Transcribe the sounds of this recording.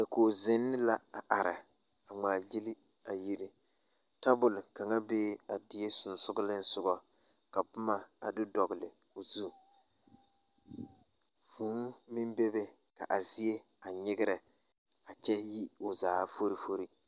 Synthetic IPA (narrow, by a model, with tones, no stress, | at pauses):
a˨koː˨zɪ˦nːɪ˦la˦a˨ʔa˨ɾɪ˨ | a˨ŋ͡maː˨ji˦li˦ | a˨ji˦ɾɪ˦ | ta˦bʊ˨lɪ˨ka˨ŋa˦beː˦a˨di˨e˦sʊ˨n˨sʊ˦ɡʊ˦lɪ˦n˦sʊ˦ɡɔ˦ | ka˨pʊ˦ma˦a̰˨dɪ˦dɔ˨ɣɪ˨lɪ̰˨ | o˨zu˦˨ | fu˨˦nmɪ˦m˦be˦be˦ | ka˨ʔa˨zi˦e˦ | a˨ɲɪ˦ɡɪ˦ɾɪ˨ | a˨t͡ʃɛ˦ji˦o˨zaː˨fo˦ɾi˦fo˦ɾi˦